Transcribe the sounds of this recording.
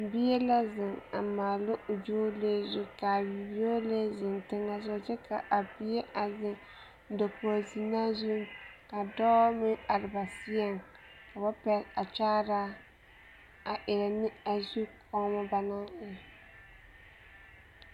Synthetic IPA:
bi˦jɛ˦la˦zɪ˨ŋa˨maː˨lʊ˦ʔʊ˨d͡ʒoː˦le˦zʊ˦ka˨wi˨bi˦o˦le˦zɪ˨ntɪ˦ŋa˦zɔ˦d͡ʒɪ˦kʰa˨ʔa˨bi˦e˦ʔa˨zɪ˨ŋ˦ | do˨po˨a˨zi˨naː˦zu˦mka˨dɔ˦mɪ˦ŋa˨ɾɪ˨ba˨si˦ɛ˦ŋ | ka˨ba˦pɛ˦ɾa˨t͡ʃaː˦ɾa˦ | a˨ʔɪ˨ɾɛ˨nɪ˦a˨zu˦kʰɔ˦ma˦ba˨na˦ŋɪ˦

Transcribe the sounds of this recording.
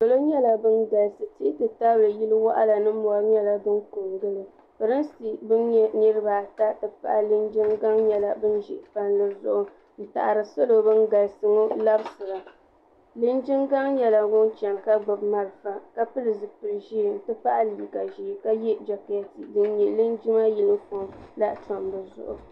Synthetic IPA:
do˨lo˦ɲɛ˦la˨bɨ˦nɡa˨lsɨ˨ti˦tɨ˨ta˦blɨ˨ji˦lɨ˦wa̰˦ʔa̰˦la˨nɨ˦mɔ˨a˨˦ɾɲɛ˦la˨bɨ˦nko˨ŋɡɨ˦lɨ˨ | bɨ˨ɾɨ˦n˦si˦bɨ˦nɲɛ˦nɨ˦ɾɨ˦baː˨ta˦tɨ˨pa̰˦˨ʔa˦lɨ˦nd͡ʒi˦ŋɡa˦ŋɲɛ˨la˦bɨ˦nʒɪ˨ʔpa˦nlɨ˦zʊ̰˦ʔʊ˦ | n̩˨ta̰˨ʔa˨ɾɨ˨so˦lo˨bɨ˦nɡa˨lsɨ˦ŋo˦la˦bsɨ˨la˨ | lɨ˦nd͡ʒi˦ŋɡa˦ŋjɛ˦la˨wʊ˦nt͡ʃɛ˨ŋka˦ɡ͡bɨ˨bma˦ɾfa˨ka˦pɨ˦lɨ˨zɨ˨pɨ˨ɾʒi˦˨n̩˨tɨ˦pa˦ʔa˦liː˨ɡa˨ʒi˨ka˦jɛ˦d͡ʒa˨kɛ˦ti˨dɨ˦n˦ɲɛ˨lɨ˦nd͡ʒi˦ma˦ji˦lɨ˦fo˨ŋla˦ʔta˨mbɨ˨zʊ̰˨ʔʊ̰˨

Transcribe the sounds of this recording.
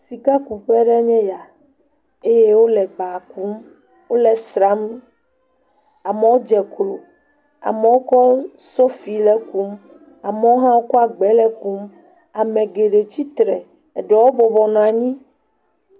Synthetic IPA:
si˨ka˦ku˨ɸɛ˦ɖɛ˦ɲɛ̃˦ja˨ | e˦je˦wo˦lɛ˨ba˨ku˦m | wo˦lɛ˨sɾa˦m | a˨mɛ˨˦wo˦d͡ʒɛ˨klo˨ | a̰˨mɛ̃˨wo˦kɔ˦ | so˦fi˨lɛ˦ku˦m | a˨mɛ˦wo˦ɦã˦wo˦kɔ˦a˨ɡ͡bɛ˨˦lɛ˦ku˦m | a˨mɛ̃˨ɡe˨ɖe˨t͡ɕi˦t̪ɾɛ˨ | ɖɛ˨wo˦bɔ˨bɔ˨nɔ̃˨a˨ɲĩ˦

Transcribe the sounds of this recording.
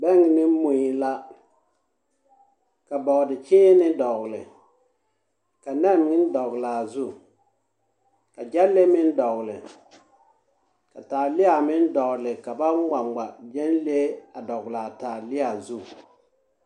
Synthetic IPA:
bɛ˦ŋ˨nɪ˦mu˨i˨la˦ | ka˨bɔ˨ɣdɪ˨t͡ʃɪː˦nɪ˦dɔ˨ɣlɪ̰˨ | ka˨nɛ˦˨m˨ɪ˦n˦dɔ˨ɣlaː˨zu˦˨ | ka˨d͡ʒɛ˦lle˦mɪ˦n˦dɔ˨ɣlɪ̰˨ | ka˨taː˨lɪ˦a˨mɪ˦n˦dɔ˨ɣlɪ˨ka˨ba˦n˦wa˨ŋ͡mɡ͡ba˨d͡ʒɛ˦nle˦a˨dɔ˨ɣlaː˨taː˨lɪ˦a˨zu˦˨

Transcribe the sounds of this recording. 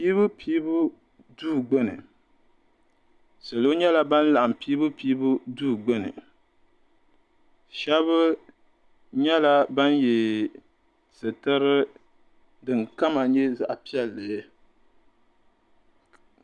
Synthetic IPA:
piː˦bɨ˦pʰiː˦bʊ˦ | duː˦˨ɡ͡bo˦nɨ̰˨ | sɨ˨lo˦ɲɛ˦la˦ba˦nla˨ʔa˨m˨piː˦bɨ˦piː˦bʊ˦duː˦˨ɡ͡bʊ˦nɨ̰˨ | ʃɛ˦βɨ˦ | ɲɛ˦la˦ba˦nje˨ | sɨ˨tɨ˦ɾɨ˦ | dɨ˨ŋka˦ma˨ɲɛ˦za̰˨ʔa˨pi˦ɛ˦lːɨ˨˦

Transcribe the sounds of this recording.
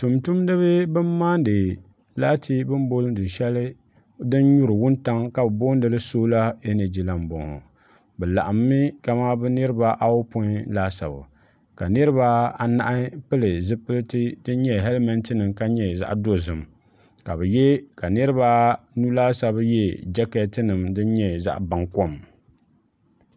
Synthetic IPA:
tu˨mtu˦mdɨ˦βɨ˦bɨ˦mːaː˦n˦dɨ˨ | laː˦tʰi˦bɨ˦m˦bo˦lɨ˦dɨ˨ʃɛ˦lɨ˦ | dɨ˦nɲu˦ɾɨ˨wʊ˦nta˦ŋka˨bɨ˨bo˦n˦dɨ˨lɨ˦soː˦la˦e˦ne˨d͡ʒi˨la˨mbɔ̰˨ŋhɔ̰˨ | bɛ˨la̰˨ʔa˨mːi˦ka˨ma˦bɨ˦nɨ˦ɾɨ˦ba˦ʔa˦wʊ˦po˦laː˦sa̰˨bɨ̰˨ | ka˨nɨ˦ɾɨ˦βa˦a˨na̰˦ʔɪ˦pɨ˦lɨ˨zɨ˦pɨ˦lɨ˦tɨ˦dɨ˦n˦ɲɛ˦ɦɛ˦lmɛ˨ntɨ˦nɨ˨mka˦ɲɛ˦za̰˦ʔdo˦zɨ˨m | ka˨bɨ˨jɛ˦ka˨nɨ˦ɾɨ˦ba˦nu˦laː˦sa˨bɨ˦jɛ˦d͡ʒɛ˦kɛ˦tɨ˦nɨ˨mdɨ˦n˦ɲɛ˦za̰˦ʔba˨ŋko˦m

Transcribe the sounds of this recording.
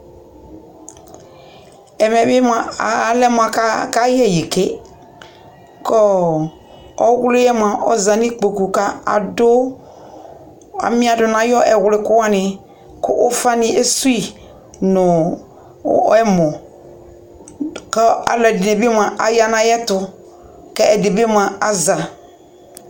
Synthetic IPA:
ɛ˨mɛ˨bɪ˦ma˨˦lɛ˦m˨a˨ka˦ka˦jɛ˦˨je˨ke˦ | kɔ˦ | ɔ˦wlɪ˦jɛ˦m˨ã˨ʔɔ˦zã˨nĩ˦k͡po˨ku˨ka˦a̰˨dʊ˦ | a̰˨mɪ̃˦a˨dʊ˨nã˨˦jɔ˦ʔɛ˨wlɪ˦kʊ˦a˦nɪ̃˨ | kʊ˦ʔʊ˦fa˦nɪ̃˦e˦su˦i˦ | nʊ̃˨˦ | ɛ˦mɔ̃˨ | kɛ˦a̰˨lɛ˨dɪ˨ne˨bi˦m˦ã˨ʔa˨ja˦nã˨jɛ˦tʊ˦ | kɛ˦ɛ˨de˨bi˦m˦ã˨a˦za˨

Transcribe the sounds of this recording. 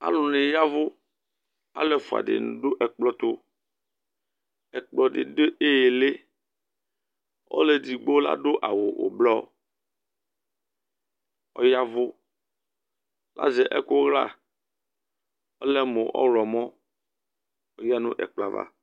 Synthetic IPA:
a̰˦lʊ˨nɪ̃˨ja˦vʊ˦ | a̰˨le˦fu˨a̰˨dɪ̰˨nṵ̃˨ɖo˦ʔɛ˨k͡plɔ˦t̪o˦ | ɛ˨k͡plɔ˦ɖɪ̰˨de˦ʔe˦je˨le˦ | o̰˦le˦d̪i˨ɡ͡bo˦la̰˦ɖo˦ʔa˨wo˨o̰˨blɔ˦ | ɔ̰˦ja˦vʊ˦ | la̰˦zɛ˨ʔɛ˦kʊ˦ɣla̰˦˨ | ɔ˦lɛ˦mo˨ʔɔ̰˦lɔ˨mɔ̃˦ | o˨ja˦nṵ̃˦ʔɛ̰˨k͡pla˦va̰˦

